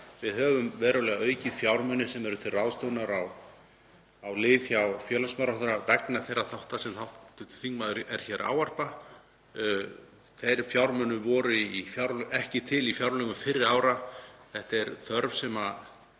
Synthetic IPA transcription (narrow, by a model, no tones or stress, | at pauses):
vɪðɦœːvʏmvɛːɾʏlɛːɣaœːɥcɪðfjawɾmœnːɪsɛmɛɾʏt̪ʰɪlrawðst̪œwnaɾaw | awlɪːθçawfjœːlasmɛɾaht̪ʏɾavɛknaθejrːaθawht̪asɛmθawht̪ʏ̥θiŋmaðɾɛɾ̥çɛɾʔa̰ːwar̥pa | θejɾfjawɾmœnːʏvɔːɾʏifjawɾlʔɛhcɪt̪ʰɪlifjawɾlœɣʏmfɪɾːɪðaːwɾaθɛht̪ɛɾθœɾvsɛma